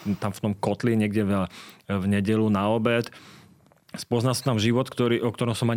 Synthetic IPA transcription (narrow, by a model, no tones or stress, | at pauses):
t̪amft̪ɔmkɔt̪liɲɪɛɡɟɛ | vɲɛɟɛlunaɔbɛt̪ | spɔznasḁt̪amʒiʋɔt̪kt̪ɔɾiːʔɔk̚t̪ɔɾɔmsɔmaɲ